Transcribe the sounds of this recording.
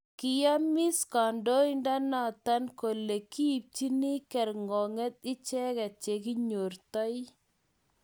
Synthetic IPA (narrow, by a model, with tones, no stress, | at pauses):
kɪ˨ja˦mɪ˦ska˨ndo˦inda˦na˨ta˦nko˨le˨kiː˦˨p̚t͡ʃi˦ni˦kɛ˨ɾŋɔ˨ŋɛ˦t̪̚ɪ˦t͡ʃɛ˦kɛ˨t͡ʃe˨ki˦ɲo˨rtɔ˦j